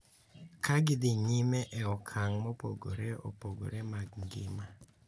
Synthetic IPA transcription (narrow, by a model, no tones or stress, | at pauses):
kaɡɪdɪɲɪmɛʔɛɔkʰaŋmɔpo̰ɡo̰ɾeɔ̰poɡo̰ɾemaɡŋɡɪma